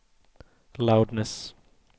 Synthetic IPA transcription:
laʊdnəs

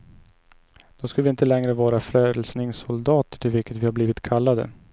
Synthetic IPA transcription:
d̪̥ɔskɵlvɪɪnt̪əlɛŋɾəvɑːɾafɾøːd̪əlsnɪŋsʊld̪ɑːt̪ə̥ʈʰɪlvɪlkət̪vɪhaɾbliːvɪt̪kʰalːad̪ə̰

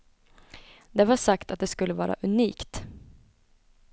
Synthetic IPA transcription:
d̪ɛvaʂakt̪at̪̚d̪ɛskɵlːəvɑːɾa̰ʔɵniːkt̪

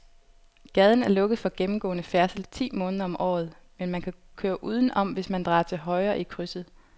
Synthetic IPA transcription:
ɡ̥ɛð̞ˠn̩æɐlɔ̽ɡ̥əð̞̩ˠfɒ̽ɡ̥emm̩ɡ̥ɔ̰̽ːnəfæɐsl̩t͡sʰḭːmɔ̽ːnðˠɐɒ̽mʔɒ̰ːð̞̩ˠ | menmænkʰækʰøːɐʔuːð̞ˠn̩ʔɒ̽m̰ʋe̝smænd̥ʁɑ̰̈ːt͡sʰe̝lɦɒ̽ɪɐːʔikʰʁysð̩ˠ

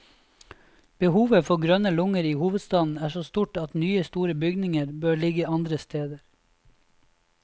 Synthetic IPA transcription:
b̥əhuːʋəfɔɡɾœnəlʊŋəɾiːhuːʋəd̪st̪ɑːd̪n̩æːʃoːst̪uːʈɑt̪nyːəst̪uːɾəbʏɡnɪŋəɾbøːɭɪɡəɑnd̪ɾəst̪ʰeːd̪əɾ

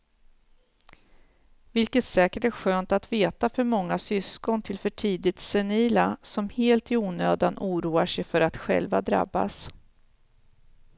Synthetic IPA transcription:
vɪlkət̪sɛːkəʈæɧøːnt̪at̪veːt̪afœɾmɔŋːasʏskɔnt̪ʰɪlfœʈʰiːd̪ɪt̪sɛniːlasɔmheːlt̪ɪuːnøːd̪anʔuːɾuːaʂɛjfœɾat̪ɧɛ̰lvad̪ɾa̰bːa̰s

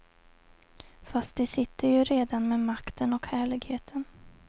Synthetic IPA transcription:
fast̪̚d̪ɛsɪt̪ʰːəɾjɵɾeːd̪anmeːmakt̪ʰənɔkhæːɭɪɡheːt̪ʰən

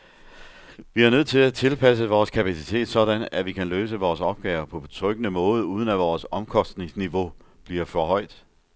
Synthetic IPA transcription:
ʋiæɐnøð̰ˠt͡sʰe̝læt͡sʰe̝lpʰæs̬əʋɒːskʰæpʰæsit͡sʰe̝̰ːd̥sɒ̽ɾænæʋikʰænløːsəʋɒːsɒ̽b̥̚ɡ̥ɛ̰ːʊɐpʰɒ̽bet͡sʰʁœɡ̥ənəmɔ̽ːð̩ˠəuːð̞ˠən̩æʋɒːsɒ̽mkʰɒ̽sd̥ne̝ŋsniʋo̝b̥liɐfɒɦɒ̽ɪ̰d̥ˠ

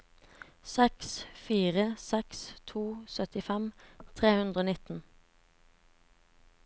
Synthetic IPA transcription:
sɛksfiːʁəsɛkst̪ʰuːsœt̪ɪfɛmt̪ʰʁeːhʉnd̪ʁəoːnɪt̪n̩

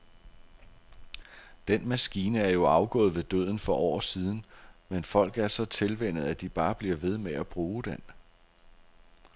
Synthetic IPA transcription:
d̥enmæsɡ̥iːnəæɐjo̝ɑ̈ʊɡ̥ɔ̰̽ːð̩ˠʋe̝d̥ø̰ð̞̰ˠn̩fɒ̽ʔɒ̰ːsiːð̞ˠn̩menfɒ̽l̰ɡ̥æɐsɒ̽t͡sʰe̝lʋen̰ð̩ˠæd̥ib̥ɑ̈ːb̥liɐʋe̝ð̞ˠmeæb̥ʁuːd̥en

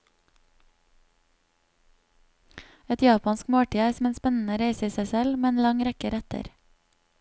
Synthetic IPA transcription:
ɛt̪jɑːpɑnskmoːʈiːæɪsm̩eːnspɛnn̩əɾeɪsiːsæɪsɛlmeːeːnlɑŋɾɛkəɾɛt̪ʰə̰ɾ

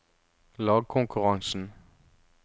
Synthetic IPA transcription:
lɑːɡ̚kʰʊŋkʰʉʁɑŋsn̩

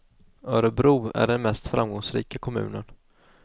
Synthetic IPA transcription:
œːɾəbɾuːæ̰ɖɛnmɛst̪fɾʔamɡɔŋsɾiːkakʰɔmʉ̟̰ːnən

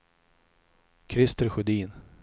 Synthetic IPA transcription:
kʰɾɪst̪əɾɧɵd̪iːn

